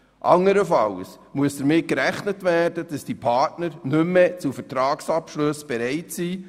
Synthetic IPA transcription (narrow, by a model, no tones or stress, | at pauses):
ʔɑŋːəɾəfɑls | muəsd̥əɾmɪt̚kɾæχnətʋæːrd̥əd̥ɑsd̥ipʰɑːrtnəɾnɵmːet͡sufəɾtɾɑːksɑpʃlɵsb̥ɛɾɛɪtsiː